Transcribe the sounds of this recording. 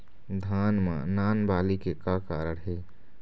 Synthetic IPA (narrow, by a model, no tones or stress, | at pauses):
d̪ʱaːnmã̰naːnbaːlikekakaːɾəɽɦeː